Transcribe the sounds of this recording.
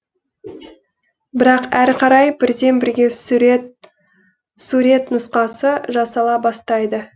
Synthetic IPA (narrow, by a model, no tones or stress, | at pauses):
bɪɾɑqæɾqʰɑɾɑjbɪɾd̪e̞nbɪɾɡʲe̞t̪ | suɾʲe̞t̪nʊsqɑsəʒɑsɑlˠɑbɑst̪ɑjd̪ə